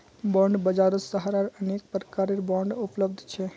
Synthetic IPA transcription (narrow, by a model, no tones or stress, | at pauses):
bɔ̃ɳɖbəd͡ʒaɾəsəɦaɾaɾənek̚pɾəkaːɾeɾbɔɳɖʊpləbd̪ʱt͡ʃʰɛ